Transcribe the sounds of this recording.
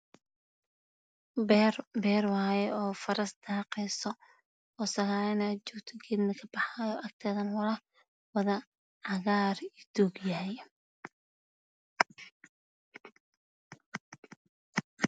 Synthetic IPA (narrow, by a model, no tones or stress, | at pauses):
bbɛːrwajɛɔːfɐɾɐsd̪aːqɛjsɔ | ɔsɐɣaːɪnat͡ʃɔɡt̪ʰɔɡʰɛd̪mɪkʰɐb̥ɑħaːjɔʔɐk̚t̪ʰɛːðɐnwɐlɐ | wɐðɐ | ʕɑɣaːrɪd̪̥uɡjaɦɛj